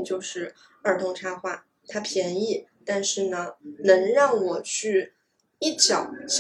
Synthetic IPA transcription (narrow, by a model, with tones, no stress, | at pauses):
t͡ɕjo˥˧ʊʂɻ̩˥˩ | ə˞˥˩t̪ʰʊ˧˥ŋʈ͡ʂʰa˥xwa˥˩ | t̪ʰa˥pʰjɛ˧˥ni˥˩ | t̪a˥˧nʂɻ̩˥˩nə˩nɤ˧˥ŋɻɑ˥˩ŋwɔ˨˩t͡ɕʰy˥˩ | i˥˩t͡ɕʰjɑ˨˩˦ʊɕ